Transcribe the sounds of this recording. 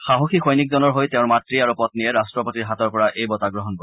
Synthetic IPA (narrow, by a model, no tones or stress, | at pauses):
xaɦoxʰixʰɔjnikzɔnɔɹɦojteʊ̃nmatɹiaɹupɔtniɛɹastɹɔpotiɹɦatɔɹpɔɹaʔejbɔtaɡɹɔɦɔnbɔ